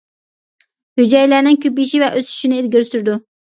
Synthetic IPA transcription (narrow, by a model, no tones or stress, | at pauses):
hyd͡ʒɛjlæɾnɪŋkʲʰøp̬iiʃivɛʔøzʰy̥ʃinɪːd̪ɡʲiɾsyɾd̪u